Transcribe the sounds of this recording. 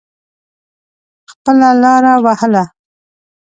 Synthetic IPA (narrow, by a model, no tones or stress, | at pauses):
xpəlalɑɾawahəla